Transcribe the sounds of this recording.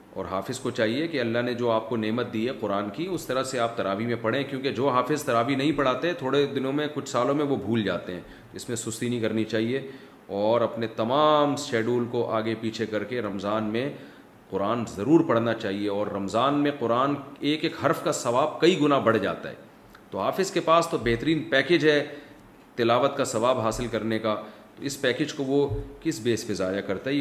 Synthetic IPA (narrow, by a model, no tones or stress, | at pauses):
ɔ̰ːɾɦaːfɪzkot͡ʃaːɦiekeɐlːaɦned͡ʒoːaːp̚koneːmət̪̚d̪iːɦɛqʊɾaːnkiʊst̪ɐɾəseaːp̚t̪ɐɾaːʋimẽpɐɽẽkjõːked͡ʒoːɦaːfɪzt̪ɐɾaːʋinɐɦĩpɐɽ̤aːt̪eɦɛ̃t̪ʰoːɽed̪ɪnõmẽkʊt͡ʃʰsaːlõmẽʋobʱuːld͡ʒa̰ːt̪eɦɛ̃ː | d͡ʒɪsmẽsʊst̪inɐɦĩkɐɾnit͡ʃaːɦie | ɔːɾɐpnet̪ɐmaːmsʃɛːɖuːlkoʔaːɡepiːt͡ʃʰekɐɾkeɾɐmzaːnmẽ | qʊɾaːnzɐɾuːɾpɐɽ̤nat͡ʃaːɦieɔːɾːɐmzaːnmẽqʊɾaːneːkeːkɦɐɾfkasɐʋaːb̚kɐiɡʊnabɐɽd͡ʒa̰ːt̪a̰ɦɛ̰ː | t̪oɦaːfɪzkepaːst̪obɛɦt̪əɾiːnpɛːkeːd͡ʒɦɛ | t̪ɪlaːʋət̪kasɐʋaːbɦaːsɪlkɐɾneka | t̪oɪspɛːkeːd͡ʒkoʋokɪsbeːsfɪzaːjakɐɾt̪aɦ